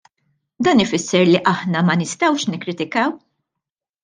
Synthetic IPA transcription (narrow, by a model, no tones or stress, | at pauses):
d̪ɐːnɪfɪsːɛɾliʔɐħnɐmɐnɪst̪ɐwʃnɪkːɾɪt̪ɪkɐw